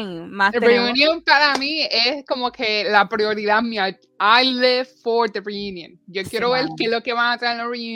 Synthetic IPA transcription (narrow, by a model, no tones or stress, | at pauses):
mareunjõmpaɾamiesko̞moke̞lapɾjo̞ɾiðamia | ajðefoɾd̪ereunjõnd͡ʒo̞kjeɾo̞βeɾkelo̞keβaŋat̪ɾaenloriu